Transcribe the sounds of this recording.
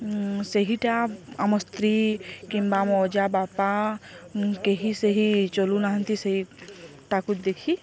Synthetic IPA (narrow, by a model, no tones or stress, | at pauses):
səɦiʈaɐməst̪ɾikĩmbamɔːd͡ʒabaːpa | keɦisəɦit͡ʃolunaɦə̃nt̪isɐɦiʈakut̪d̪ekʰi